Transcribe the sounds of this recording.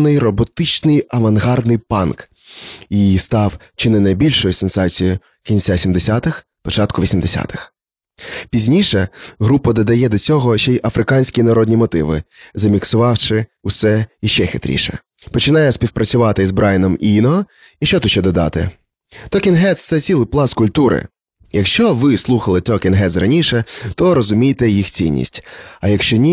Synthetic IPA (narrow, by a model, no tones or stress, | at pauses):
nɪjrɔbɔt̪ɪt͡ʃnɪjɐʋɐnɦɑrd̪nɪjpɑnk | ist̪ɑw | t͡ʃɪnɪnɐjbʲilʲʃɔjʊsensɑt͡sʲijʊ | kʲinʲt͡sʲasʲimd̪esʲat̪ɪx | pɔt͡ʃɑt̪kʊʋʲisʲimd̪esʲa̰t̪ɪ̥x | pʲizʲnʲiʃɛɦɾupɐd̪ɔd̪ɐjɛd̪ɔt͡sʲɔɦɔʃɛjʔɐfɾɪkɑnʲsʲkʲinɐɾɔd̪ʲnʲimɔt̪ɪʋɪ̰zɐmʲiksʊʋɑwʃɪʊsɛjɐʃt͡ʃɛxɪt̪ɾʲḭʃɛ̰ | pɔt͡ʃɪnɑjɛsʲpʲiwpɾʔɐt͡sʲʊʋɑt̪ɪzbɾʔɑjnɔminɔ | iʃt͡ʃɔt̪ut̪ʃt͡ʃɛd̪ɔd̪ɑ̰t̪ɪ̰ | t̪ɔkʲɪnɦɛt̪st̪sɛt͡sʲilˠɪjplˠɑskʊlʲt̪uɾɪ̰ | jɐkʃt͡ʃɔʋɪslˠuxɐlˠɪt̪ɔkʲɪnɦɛt̪srɐnʲiʃɛt̪ɔɾɔzʊmʲijt̪ɛjixt͡sʲḭnʲːḭsʲtʲɐjɐkʃt͡ʃɔnʲi